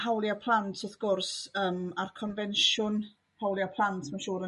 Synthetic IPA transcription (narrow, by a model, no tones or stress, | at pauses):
hawlˠjapʰlˠantʰɔθɡ̥ʊrsəːmarkʰɔnvɛnʃʊn | hawlˠjapʰlˠantʰmaʃoːɾə